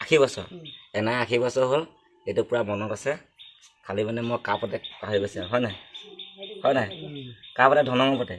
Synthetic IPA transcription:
akʰibɔsɔ̰ɹɛnaakʰibɔsɔɦol | etupʊɹamɔnɔtasɛ | kʰalibanɛmɔjkapɔtɛkaɦibɔsiaɦɔjnaj | hɔjnajkapɔtɛdʱɔnɔŋɔpɔtɛ

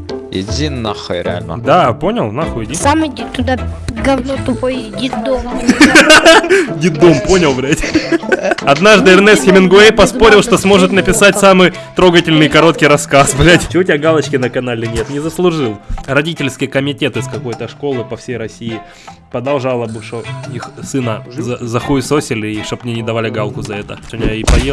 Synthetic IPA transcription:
jɪ̰dʲinːa̰xo̰jɾʲɪ̰a̰lʲnə̰d̪apo̞nʲɪlˠnaxʊjɪdʲinssamʲt̪ʊd̪aɡɐvnot̪ʊpojdʲit̪d̪om | dʲit̪̚d̪o̞mpo̞nʲɪlˠbɾʲɛtʲ | ɐd̪naʐd̪ɨɛrnɛsxʲɪmʲɪnɡʊejpɐspo̞ɾʲɪlˠʂt̪o̞smo̞ʐɨt̪nəpʲɪsatʲsamɨj | t̪ɾo̞ɡətʲɪlʲnɨjkɐɾo̞t̪kʲɪjɾɐskasbɾʲatʲt͡ɕɪoʊtʲɪaɡalˠət͡ɕkʲɪnəkɐnalʲɪnʲet̪nʲɪzəslˠʊʐɨlˠrɐdʲitʲɪlʲskʲɪjəkəmʲɪtʲe̞t̪ɨskɐko̞jt̪əʂko̞lˠɨpɐfsʲejɾɐsʲijɪ | pɾəd̪ɐlˠʐalˠəbɨʂt̪oixsɨnəzəzɐxuɪsosʲɪlʲɪʂt̪o̞pɐnʲinʲɪd̪ɐvalʲɪɡalˠkʊzɐɛt̪ə̰t̪onʲaipɐjelˠ

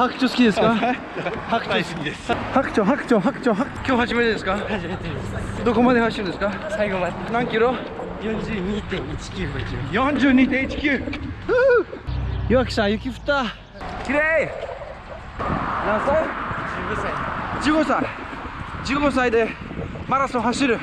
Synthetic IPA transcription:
hakɯ̟̥t͡ɕosɨ̥kʲid̪e̞sɨ̥ka | hakɯ̟̥osɨ̥kʲid̪eshakt͡ɕoɦakɯ̟̥t͡ɕoɦakɯ̟̥t͡ɕoɦakkʲo̞ːhaʑimet̪ed̪esɨ̥kahaʑimet̪esd̪o̞ko̞mad̪ehaɕiɯ̃nd̪esɨ̥kasaiɡoma | nãŋkʲiɾo̞ | jõ̞ɲd͡ʑɨːɲiːt̪ẽɰit͡ɕi̥kʲɯːjõ̞ɲd͡ʑɨːɲ̟iːt̪ẽit͡ɕi̥kʲɨːɯ | jɯβakɯ̟̥ɕãjɯkʲiɸɯ̟̥t̪aː | kʲiɾe | nãnsaiɡosaid͡ʑɨːɡosa | d͡ʑɨːɡosaid̪e̞maɾasoɦaɕiɾɯ̟

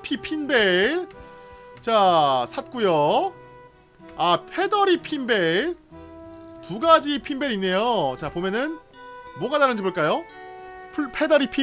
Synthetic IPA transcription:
pʰipʰinbeɭ | t͡ɕasʰat̚k͈ujo | apʰe̞dʌɾipʰinbeɭ | tuɡad͡ʑipʰimbe̞ɾinːe̞jot͡ɕapomjʌnɯnmwʌɡadaɾɯnd͡ʑiboɭk͈ajo | pʰuɭpʰe̞dʌɾipʰi

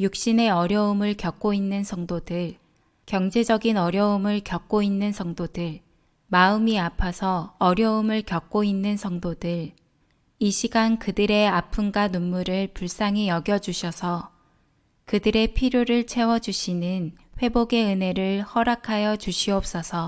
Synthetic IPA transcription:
juk̚ɕ͈ine̞ʌɾjʌumɯɭkjʌk̚k͈oinːɯnsʰʌŋdodɯɭ | kjʌŋd͡ʑe̞d͡ʑʌɡinʌɾjʌɯmɯɭkjʌk̚k͈oinːɯnsʰʌŋdodɯɭ | maɯmiapʰasʰʌːɾjʌɯmɯɭkjʌk̚k͈oinːɯnsʰʌŋdodɯɭ | iɕʰiɡankɯdɯɾe̞apʰunɡanunːuɾɯɭpuɭs͈aŋijʌɡjʌd͡ʑuɕʰʌsʰʌ | kɯdɯɾe̞pʰiɾjoɾɯɭt͡ɕʰe̞wʌd͡ʑuɕʰinɯnɸwe̞boɡe̞ɯne̞ɾɯɭhʌɾakʰajʌd͡ʑuɕʰiʌp̚s͈ʌsʰʌ

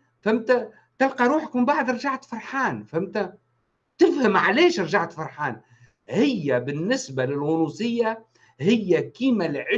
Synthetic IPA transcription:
fæmt̪æ | t̪ɪlqɑɾˤuːħkmmbaʕd̪ɾˤʒaʕt̪fɑɾˤħaːnfæmt̪æ | t̪ɪfhɪmʕalɛːʃɾˤʒaʕt̪fɑɾˤħaːn | hɪjːæbɪnːɪsbalɪlwunusɪjːa | hɪjːækiːmælʕɪ

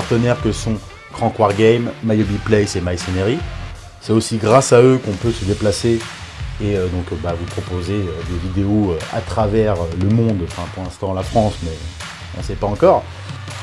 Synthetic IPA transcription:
aʁt̪ənɛʁkəsɔ̃ | kχɑ̃kwaʁɡɛjmːajobiplɛsemajsɔneʁi | sɛt̪osiɡʁasaøkɔ̃pøsəd̪eplase | eød̪ɔ̃kbavupχɔpozeød̪evid̪eoøa̰t̪χavɛʁøləmɔ̃d̪ɑ̃fɛ̃puʁlɛ̃st̪ɑ̃lafχɑ̃smɛ | ɔ̰̃sɛpaɑ̃kɔːʁ

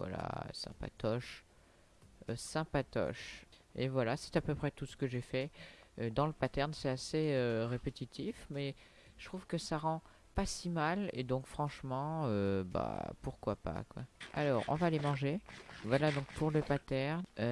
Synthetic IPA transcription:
vwa̰la̰sɛ̰̃pa̰t̪ɔʃ | øsɛ̃pat̪ɔ̰ʃevwalasɛ̥t̪apøpχɛt̪usə̥kəʒefɛød̪ɑ̃ləpat̪ɛʁnsɛt̪aseøʁepet̪it̪ʰifmɛ | ə̥t̪χuv̥kəsaʁɑ̃ | pasimalḛd̪ɔ̃kfχɑ̃ʃmɑ̃øba̰puʁkwapa̰kwa̰alɔːʁɔ̰̃vaːlemɑ̃ʒevwalad̪ɔ̃k̚pʰuʁləpat̪ɛʁn

